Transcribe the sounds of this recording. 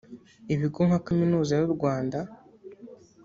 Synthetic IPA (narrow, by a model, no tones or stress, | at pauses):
iβiɡo̞ŋhakaminuːzajuɾɡwaːnda